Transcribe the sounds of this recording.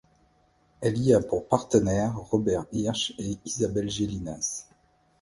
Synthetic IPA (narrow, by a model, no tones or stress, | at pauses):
ɛliapuʁpaʁt̪ənɛʁːɔbɛʁiʁʃeizabɛlʒelinas